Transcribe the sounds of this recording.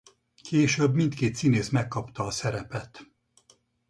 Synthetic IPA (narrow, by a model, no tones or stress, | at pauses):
kʰeːʃøbmint̪keːt̪sineːsmɛkːɒpt̪ɒːsɛɾɛpɛt̪